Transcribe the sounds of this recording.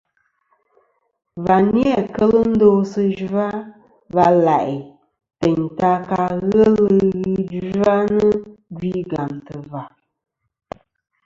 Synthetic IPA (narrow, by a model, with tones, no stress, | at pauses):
va˨ni˦a˦˨kə˦lɨ˦n̩˦do˦sɨ˦d͡ʒu˦a˦ | va˧la˨ʔi˨ | tɛ˨ɲta˧ka˧ɣə˦lɨ˦ɣi˦d͡ʒa˦nɨ˦ɡɥi˦ɡa˨mtɨ˨va˨